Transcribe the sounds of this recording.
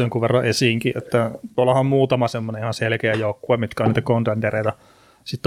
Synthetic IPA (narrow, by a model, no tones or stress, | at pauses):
oŋkuʋʋerːɑʔesiːŋkiʔḛt̪ːæt̪uolːɑhɑmmuːt̪ɑmɑsemːonenihɑnselkeæjoˑukːuemit̪kæoniːt̪ækont̪ent̪ereˑit̪æ | sit̪ː